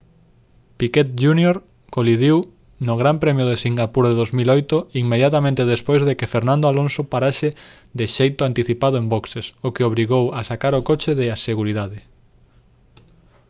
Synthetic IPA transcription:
piket̪̚d͡ʒunjoɾ | koliðiw | nʊɣɾampɾɛmjʊðesiŋɡapuɾðeðozmilojt̪ʊiŋmeðjat̪amẽnt̪eðespojzðekɪfeɾnãnd̪oalonsopaɾaʃe | d̪eʃejt̪ʊant̪iθipað̞oẽmboksesokeoβɾiɣowasakaɾokot͡ʃeðɪaseɣuɾiðaðɪ

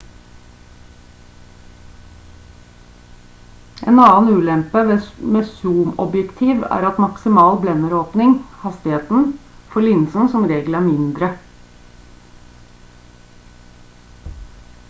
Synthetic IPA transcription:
ʔḛːnɑːnʉːlɛmpəʋeːmeːsuːmɔbjɛkt̪ʰiːʋæ̰ːɾɑt̪mɑksɪmɑːlblɛnəɾoːpnɪŋhɑst̪ɪheːt̪n̩fɔɭɪnsn̩sɔmɾeːɡləæːɾmɪnd̪ɾə

